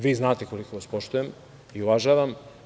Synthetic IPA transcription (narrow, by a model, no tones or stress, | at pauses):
ʋiːznaːt̪eko̞likoʋaspoʃt̪ujem | iuvaʒaʋam